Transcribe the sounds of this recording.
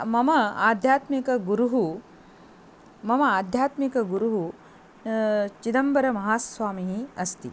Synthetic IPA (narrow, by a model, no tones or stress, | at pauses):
mɐmɐaːd̪ʱjaːt̪mikɐɡuɾuɦu | mɐmɐaːd̪ʱjaːt̪mikɐɡuɾuɦu | t͡ʃid̪ɐmbɐɾɐmɐɦaːsʋaːmiɦiɐst̪i